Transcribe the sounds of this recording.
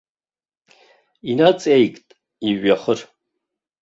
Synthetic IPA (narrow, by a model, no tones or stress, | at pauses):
inat͡sʼejkʼtʼ | iɥaχər